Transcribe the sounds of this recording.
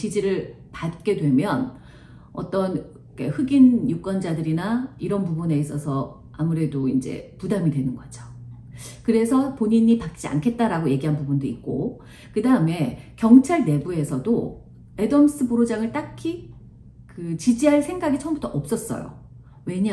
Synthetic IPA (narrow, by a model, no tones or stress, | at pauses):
t͡ɕid͡ʑiɾɯɭ | pat̚k͈e̞dwe̞mjʌn | ʌ̰t͈ʌn | kḛhɯɡinjuk͈ʌnd͡ʑadɯɾinaiɾʌnpubune̞is͈ʌsʰʌ | amuɾe̞doind͡ʑe̞̰pudamidwe̞nɯnɡʌd͡ʑo | kɯɾe̞sʰʌpoɲiɲipak̚t͡ɕ͈ia̰nkʰe̞t̚t͈aɾaɡoje̞ɡiɦanpubundoik̚k͈o | kɯdaɯme̞kjʌŋt͡ɕʰaɭne̞bue̞sʰʌdo | e̞dʌms͈ʰɯboɾod͡ʑaŋɯɭt͈akʰi | kɯt͡ɕid͡ʑiɦaɭsʰe̞ŋɡaɡit͡ɕʰʌmbutʰʌʔʌp̚s͈ʌs͈ʌ̰jo̰ | we̞ɲa